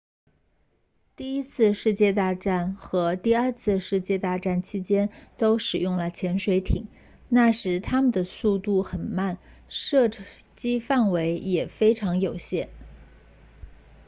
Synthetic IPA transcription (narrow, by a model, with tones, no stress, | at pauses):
t̪i˥˩i˥t͡sʰɹ̩˥˧ʂɻ̩˥˧t͡ɕjɛ˥˧t̪a˥˧ʈ͡ʂa˥˩nxɤ˧˥t̪i˥˧ə˞˥˧t͡sʰɹ̩˥˧ʂɻ̩˥˧t͡ɕjɛ˥˧t̪a˥˧ʈ͡ʂa˥˩nt͡ɕʰi˥t͡ɕjɛ˥nt̪o˥ʊʂɻ̩˨˩jʊ˥˩ŋlə˩t͡ɕʰjɛ˧˥nʂwe˧˥ɪt̪ʰi˨˩˦ŋ | na˥˩ʂɻ̩˧˥t̪ʰa˥mə˨nd̪ə˩su˥˧t̪u˥˩xə˨˩nma˥˩n | ʂɤ˥˩ | t͡ɕi˥fa˥˩nwe˧˥ɪjɛ˨˩fe˥ɪʈ͡ʂʰɑ˧˥ŋjo˨˩ʊɕjɛ˥˩n